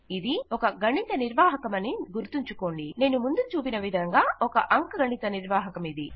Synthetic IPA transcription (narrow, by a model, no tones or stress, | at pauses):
id̪iɔkɐɡɐɳːit̪ɐniɾʋaːɦɐkɐmɐniɡuɾt̪uɲt͡ʃuko̞ːɳɖine̞ːnumund̪ut͡ʃuːpinɐʋid̪ʱɐŋɡaːɔkɐʔɐŋkɐɡɐɳit̪ɐniɾʋaːɦɐkɐmid̪i